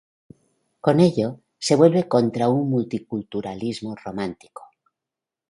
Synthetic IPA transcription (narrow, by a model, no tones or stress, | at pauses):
ko̞ne̞ʎo | se̞βwe̞lβeko̞nt̪ɾauŋmult̪ikult̪uɾalizmoromãnt̪i̥ko̥